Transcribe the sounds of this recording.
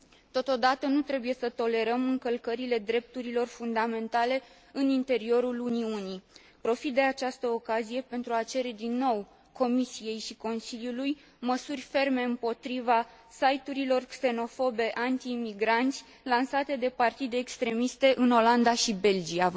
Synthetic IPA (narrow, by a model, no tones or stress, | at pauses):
t̪o̞t̪o̞d̪at̪ənut̪ɾe̞buje̞sət̪o̞le̞ɾəmɨŋkəlkəɾile̞d̪ɾe̞p̚t̪uɾilo̞rfund̪ame̞nt̪ale̞ | ɨnint̪e̞ɾio̞ɾuluniuni | pɾo̞fit̪̚d̪e̞at͡ʃast̪əokazije̞pe̞nt̪ɾuat͡ʃe̞ɾe̞d̪inːo̞w | ko̞misije̞jʃiko̞nsiljuluj | məsurʲfe̞rme̞ɨmpo̞t̪ɾiva | sajt̪uɾilo̞rkse̞no̞fo̞be̞ʔant̪iːmiɡɾant̪sʲ | lansat̪e̞d̪e̞part̪id̪e̞ːkst̪ɾe̞mist̪e̞ʔɨno̞land̪aʃibe̞ld͡ʒia